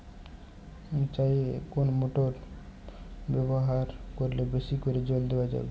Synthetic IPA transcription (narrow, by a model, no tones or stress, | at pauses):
t͡ʃaiekonmoʈoɾ | beboɦaɾkɔɾlebesikɔɾed͡ʒold̪ebad͡ʒa̰ḛɡ